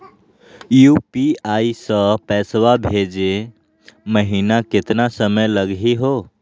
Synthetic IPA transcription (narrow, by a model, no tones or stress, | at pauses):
jupiaisə̃pɛswabʱed͡ʒe | məɦinaket̪nasəməjləɡɦiɦo